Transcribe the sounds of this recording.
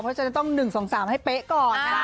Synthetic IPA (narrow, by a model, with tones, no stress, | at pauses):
pʰɔ˦˥t͡ɕa˧˩˥t̪ɔ˥˩ŋnɯ˨˩ŋso˩˦ŋsaː˩˦mha˥˩jpe˦˥ʔkɔː˨˩